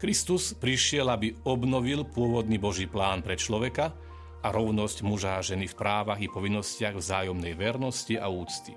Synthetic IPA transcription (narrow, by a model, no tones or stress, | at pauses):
kɾist̪uspɾiʃɪɛlabiɔbnɔʋilpʊɔʋɔd̪nibɔʒiːplaːnpɾɛt͡ʃlɔʋɛka | aɾɔʊnɔscmuʒaːʒɛnifpɾaːʋaɣipɔʋinːɔscɪaɣvzaːjɔmnɛjʋɛɾnɔscia̰uːt͡st̪i̥